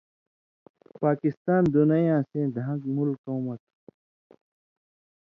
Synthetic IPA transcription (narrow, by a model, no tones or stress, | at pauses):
paːkɪst̪aːnd̪unɐjãːsẽd̪ʱãŋɡmulkoːmɐt̪